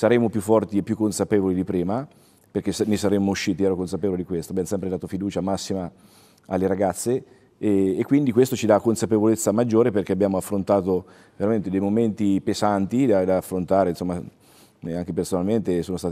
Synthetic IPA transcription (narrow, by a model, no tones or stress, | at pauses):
saɾemopjufːɔrt̪iepːjukːonsapeːvolid̪ipɾiːma | perk̟esnesaɾemːouʃːiːt̪iɛɾokonsapeːvolid̪ikwest̪oabjaːmosɛmpɾed̪aːt̪ofid̪uːt͡ʃamasːima | alːeɾaɡat̪sːeː | kːwind̪ikwest̪ot͡ʃid̪akːonsapevolet̪sːamad͡ʒːoːɾeperk̟eabjaːmoafːɾont̪aːt̪o | veɾament̪ed̪ejmoment̪ipezant̪id̪ad̪aːfːɾont̪aːɾensomːa | aŋk̟epersonalment̪esoːnost̪aːt̪